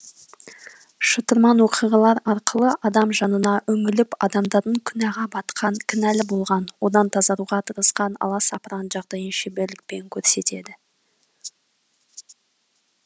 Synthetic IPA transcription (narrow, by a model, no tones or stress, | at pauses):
ʃət̪əɾmɑnwo̞qʰijʁɑlˠɑɾɑɾqəlˠəʔɑd̪ɑmʒɑnənɑʔɵŋɪlɪpɑ̰d̪ɑmd̪ɑɾd̪əŋkʲʰʏnæʁɑbɑt̪qʰɑŋkʲʰɪnælɪbo̞lˠʁɑnwo̞d̪ɑnt̪ʰɑzɑɾuʁɑt̪ʰəɾəsqɑnɑ̰lˠɑsɑpɾɑnʒɑʁd̪ɑjənʃebeɾlɪk̚pe̞ŋkʲʰɵɾse̞t̪e̞d̪ɪ